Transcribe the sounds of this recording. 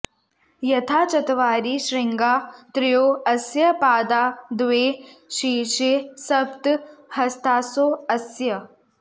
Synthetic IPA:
jɐt̪ʰaːt͡ʃɐt̪ʋaːɾiʃɾɪŋɡaːt̪ɾɪjoːɐsjɐpaːd̪aːd̪ʋeːʃiːʃesɐbt̪hɐst̪ʰaːsoːɐsjɐ

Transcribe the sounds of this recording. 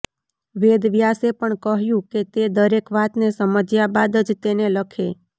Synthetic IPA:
ʋed̪ʋjasepəɳkəɦjũket̪ed̪əɾekʋat̪nesəməd͡ʒjabad̪əd͡ʒt̪eneləkʰe

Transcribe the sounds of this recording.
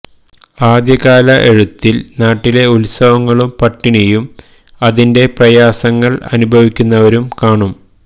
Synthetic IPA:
aːd̪jɐɣaːlɐʔe̞ɻut̪ːilnaːʈːile̞ulsɐʋɐŋːɐɭumpɐʈːiɳijum | ɐðinde̞prɐjaːsɐŋːɐɭɐ̰nubʱɐʋikʲːunːɐʋɐɾumkaːɳum

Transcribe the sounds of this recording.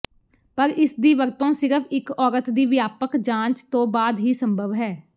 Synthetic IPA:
pəɾɪsd̪iːʋəɾt̪õːsɪɾəpʰɪkɔːɾət̪d̪iːʋɪjaːpəkd͡ʒãːt͡ʃt̪õːbaːd̪ɦiːsəmbʱəʋɦɛː

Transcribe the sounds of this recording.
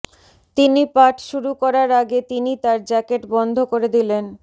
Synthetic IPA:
t̪inipaʈʃuɾukɔɾaɾaɡet̪init̪aɾd͡ʑɛkeʈbɔnd̪ʱokoɾed̪ilen

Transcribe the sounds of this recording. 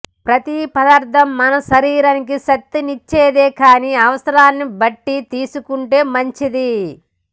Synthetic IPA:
pɾɐt̪ipɐd̪ɐɾt̪ɐmːɐnɐʃɐɾiːɾɐnikiʃɐt̪ːinit͡ʃːeːd̪eːkaːniːɐʋɐsɐɾaːnːibɐʈːit̪iːsukuɳʈe̞ːmɐɲt͡ʃid̪i

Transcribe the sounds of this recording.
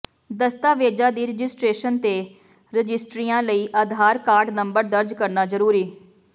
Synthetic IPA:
d̪əst̪aːʋeːd͡ʒaːd̪iːɾɪd͡ʒɪsʈɾeːʃənt̪eː | ɾɪd͡ʒɪsʈɾiːãːləiːʔəːd̪ʱaːɾkaːɾɖnəmbəɾd̪əɾd͡ʒkəɾnaːzəɾuːɾiː

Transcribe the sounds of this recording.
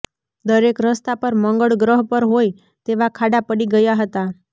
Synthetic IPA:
d̪əɾekɾəst̪apəɾməŋɡəɭɡɾəɦpəɾɦoj | t̪eʋakʰaɖapəɽiɡəjaɦət̪a

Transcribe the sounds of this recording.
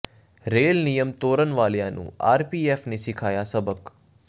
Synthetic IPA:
ɾeːlnijəmt̪oːɾənʋaːljãːnṵ̃a̰ːɾpiːɛːfnesɪkʰaːjasɐbək

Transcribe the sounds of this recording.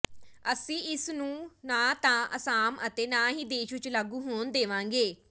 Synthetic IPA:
əsĩːʔɪsnũːnãːt̪ãːʔəsaːmət̪eːnãːɦiːd̪eːʃʋɪt͡ʃləɡũːɦoːnd̪eːʋãːŋɡeː

